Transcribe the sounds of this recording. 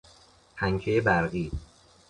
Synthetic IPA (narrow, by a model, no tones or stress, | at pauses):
pʰæŋcʰejebæɾɢiː